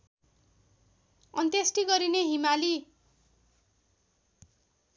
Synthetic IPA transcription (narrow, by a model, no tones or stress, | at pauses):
ʌnt̪esʈiɡʌɾineɦimali